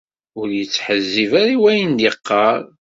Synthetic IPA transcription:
ʊɾjət͡sːħəzːivaɾiwæjənd̪iqːɑɾˤ

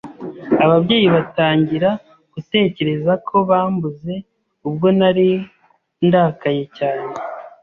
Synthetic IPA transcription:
aβabɟe̞ːjiβataːɲɟiɾa | ɡ̥ute̞ːce̞ɾe̞zakʰo̞βaːmbuze̞ | ubɡo̞naɾi | ndakaɲe̞caːne̞

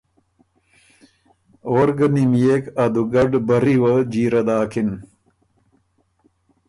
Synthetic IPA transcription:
oːɾɡɐnimjeːkɐd̪uɡɐɖbɐɾiwɐd͡ʑiːɾɐd̪aːkʰin

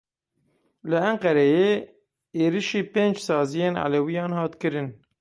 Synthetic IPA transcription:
lɨæŋqɛɾɛjeː | eːɾiʃiːpeːnd͡ʒsɑːzijeːnʕa̰lewijɑːnhɑːt̪kɨɾɨn

